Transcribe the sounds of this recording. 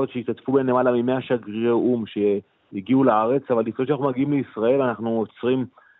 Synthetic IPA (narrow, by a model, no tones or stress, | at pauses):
ot̪ʃeitatfubenenle̞malamime̞aʃaɡʁʁeʔumʃe̞ | iɡiulaaʁe̞t͡savalːiχoʃanaχnumaɡiimleisʁae̞lanaχnuot͡sʁim